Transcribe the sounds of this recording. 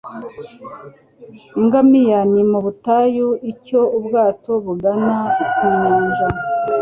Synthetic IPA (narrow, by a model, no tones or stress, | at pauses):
iŋɡamijanimuβutajuico̞ubɡaːto̞βuɡanaukiːɲaːɲd͡ʒa